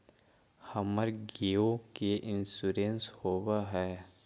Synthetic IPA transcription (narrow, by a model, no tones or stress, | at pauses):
hɐməɾɡeːokeʔɪnsuɾenshoːwaɦɛː